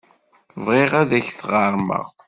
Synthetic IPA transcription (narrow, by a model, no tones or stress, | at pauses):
vʁeʁæðæçθʁɑɾˤmə̰ʁ